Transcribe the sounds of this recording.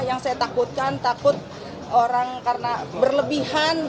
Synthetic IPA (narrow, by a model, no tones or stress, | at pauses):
jaŋsajat̪akʊt̪̚kant̪akʊt̪̚ | oɾaŋkarənabərləbihan